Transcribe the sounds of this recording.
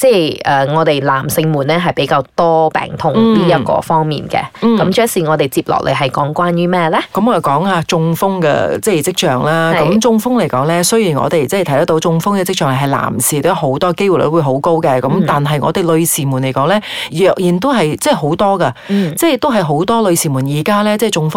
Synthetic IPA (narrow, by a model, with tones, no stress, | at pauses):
t͡sɛː˥˩jʔɛː˨˩ŋɔː˨˧t̪e˨jla̰ː˨˩msɪ˧ŋmuː˨˩nːɛː˥ɦɐ˨jpe˨˥jkaː˧wt̪ɔː˥pɛ̰ː˨˩ŋt̪ʰʊ˧ŋt̪iː˥jɐ˥kɔ̰ː˧fɔː˥ŋmḭː˨nkɛ̰˧˨˩kɐ˨˥mt͡ʃœː˥siː˨ŋɔː˨˧t̪e˨˩jt͡siː˧p̚lɔ̰ː˨k̚l̰ɦɐ˨˩jkɔː˨˥ŋkʷwaː˥njyː˥mɛː˥lɛ˥kɐ˨˥mɔ˨˧jɐ˨˩kɔː˨˥ŋaː˧t͡sʊ˧ŋfʊ˥ŋkɛ̰˧t͡sɛː˥˩t͡sɪ˥k̚t͡ʃœː˨˩ŋlaː˥kɐ˨˦˥mt͡sʊ˧ŋfʊ˥ŋle˨˩jkɔː˨˥ŋlɛː˥sɵ˥ɥjiː˨˩nŋɔ̰ː˨˧t̪e˨˩jt͡sɛ˥˨˩t̪ʰj̪t̪ɐ˥t̪o˨˧wt͡sʊ˧ŋfʊ˥ŋkɛ˧t͡sɪ˥k̚t͡ʃœː˨ŋle˨˩ɦɐ˨jla̰ː˨˩msiː˨t̪o˨˧˥ɦo˨˥wt̪ɔː˥˧ke˥jwu˨˩lɵ̰˨˧˥wu˨˧ɦo˨˥wko˥wkɛ˧kɐ˨˦mt̪aː˨nɦɐ˨jŋɔ̰ː˨˧t̪e˨jlɵ˧ɥsiː˨˩muː˨˩nle˨˩jkɔː˨˥ŋlɛː˥jœː˨˩k̚jiː˨˩nt̪̬o˥wɦɐ˨jt͡sɛː˥˩ɦo˨˥wt̪ɔː˥kɐ˧t͡sɛː˥˩jt̪o˥wɦɐ˨jɦo˨˥wt̪ɔː˥lɵ˧ɥsiː˨˩muː˨˩njiː˨˩kaː˥lɛː˥t͡sɛː˥˩t͡sʊ˧ŋfʊ˥